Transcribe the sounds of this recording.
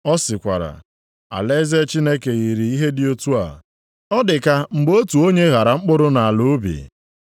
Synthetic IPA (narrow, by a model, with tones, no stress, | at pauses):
ɔ˦sɪ˨kʷa̰˨ɾa̰˨ | a̰˨le˦ze˦t͡ʃi˦ne˦ke˨ɣi˨ɾi˨i˦ɦe˦dɪ˦o˦tu˦a̰˨ | ɔ˦dɪ˨ka˦ŋ͡m̩˨bo˦tu˨o˦ɲe˦ɣa˨ɾa˨ŋ͡m̩˦k͡pʊ˦ɾʊ˦na˨a˨lu˦bḭ˨